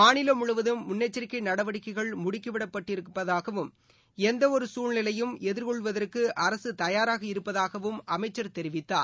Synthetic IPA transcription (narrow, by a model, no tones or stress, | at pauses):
maːɳɪlɐmʊɻɯʋɐðɯːʊnːɛt͡ʃːɐɾkːɐnɐɽɐʋɐɽɪkːɐɪɣɐɭmʊɽɪkːɐʋɪɽɐpːɐʈːɪɾɯpːɐðaːɣɐʋɯm | ɛnd̪ɐɔɾɯsuːɻnɪlɐjɯmɛðɪɾkɔɭʋɐðɐrkɯʔɐɾɐsɯt̪ɐjaːɾaːɣɐɪɾɯpːɐðaːɣɐʋɯmʔɐmɐɪt͡ʃːɐɾt̪ɛɾɪʋɪt̪ːaː